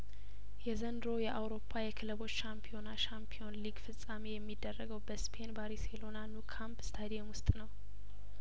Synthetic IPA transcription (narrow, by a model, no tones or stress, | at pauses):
jɛzənd̪ɾo̞jɛʔawɾo̞pʰːajɛkʰɨlɨbo̞t͡ʃːʃampʰio̞naʃampʰio̞nliɡfɨsʼamejɛmːid̪ːərːəɡəwbəspʰe̞nbaɾiselo̞nanukʰampst̪ʰad̪ijɛmwʊst̪ʼnəw